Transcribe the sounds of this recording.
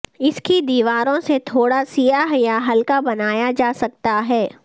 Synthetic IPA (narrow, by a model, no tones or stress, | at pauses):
ɪskid̪iːʋaːɾõset̪ʰoːɽasijaɦjaɦɐlkabɐnaːjad͡ʒaːsɐk̚t̪aɦɛː